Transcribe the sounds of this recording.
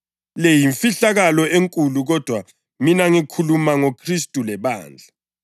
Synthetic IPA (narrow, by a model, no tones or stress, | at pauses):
lejiɱfiɬaɣalɔeŋkʼuluɣɔd̥ʱwa | minaŋikʰulumaŋokʰristʼulɛβa̰ːnd͡ɮʱa